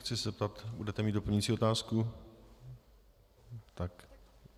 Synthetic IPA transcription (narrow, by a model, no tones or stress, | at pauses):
xt͡sɪszɛp̚t̪at̪budɛt̪ɛmiːt̪dopl̩ɲuit͡siːo̞t̪aːsku | t̪ak